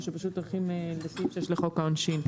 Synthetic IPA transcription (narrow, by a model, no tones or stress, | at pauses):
ʃepaʃut̪oχimelesimʃejɛʃleχo̞kaonʃin